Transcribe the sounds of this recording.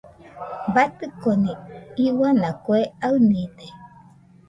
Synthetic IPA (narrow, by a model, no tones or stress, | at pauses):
bat̪ɨkoniiwanakueaɨnine